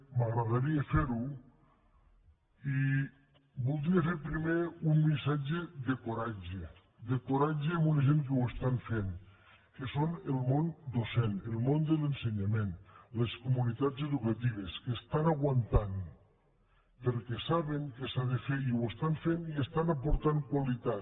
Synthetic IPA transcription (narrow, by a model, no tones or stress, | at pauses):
maɣɾaðaɾiefeɾu | i | bulˠd̪ɾiefeɾpɾimeummisad͡ʒeðekoɾad͡ʒe | d̪ekoɾad͡ʒeamuneʒeŋk̬ewest̪anfen | kesonelˠmond̪osenelˠmond̪elenseɲamenleskumunit̪ad͡zeðukat̪iβ̞eskest̪anaɣwant̪an | pəɾkɛsaβeŋkesaðefeiwest̪aɱfeniest̪anapuɾt̪aŋkwalit̪a